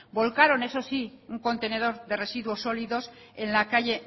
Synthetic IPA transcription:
bo̞lkaɾo̞ne̞so̞siuŋko̞nt̪e̞ne̞ð̞o̞ɾðe̞re̞siðwo̞sːo̞liðo̞s | e̞nlakaʝe̞

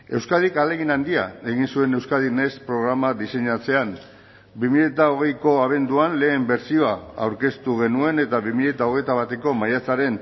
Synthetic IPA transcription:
e̞wskaðikale̞ɣ̞inand̪ia̰e̞ɣ̞insue̞ne̞wskaðinespɾo̞ɣ̞ɾamaðise̞ɲat͡se̞an | bimiʎet̪ao̞ɣ̞e̞jko̞aβ̞e̞nd̪uanle̞ːmbe̞ɾsio̞aa̰wɾke̞st̪uɣe̞nue̞ne̞t̪aβimiʎet̪ao̞ɣe̞jt̪aβ̞at̪e̞ko̞majat͡saɾe̞n

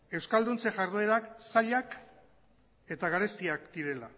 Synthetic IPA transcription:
e̞wskald̪unt͡seʝaɾðeɾaksaʎak | e̞t̪aɣaɾe̞st̪iakd̪iɾe̞la

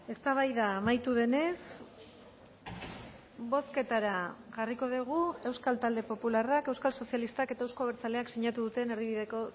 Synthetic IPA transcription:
e̞st̪aβ̞ajðaːmajt̪uðe̞ne̞s | bo̞ske̞t̪aɾaʝariko̞ðiɣ̞ue̞wskalt̪ald̪e̞po̞pularake̞wskalso̞sijalist̪ake̞t̪aewskoβeɾt͡sale̞aksiɲat̪uðut̪e̞neɾðiβiðe̞ko̞

